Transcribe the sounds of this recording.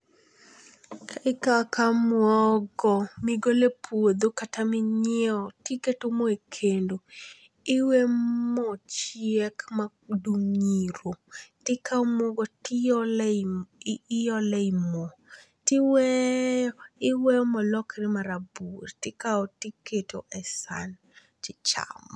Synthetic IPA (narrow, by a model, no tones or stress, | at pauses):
kʰaɪkakamwɔɡɔmɪɡolepʰwod̪okatamɪɲɛɔtɪketomoekʰendo | ɪwemɔt͡ʃjɛkma | dumɲiɾotɪkaɔmoɡɔtɪɔl | ɪjɔlɛimo | tɪwɛ | ɪwɛɔmɔlɔkɾɪmaɾaburtɪkaɔtiketoʔɛsa̰n | t͡ʃɪt͡ʃa̰mɔ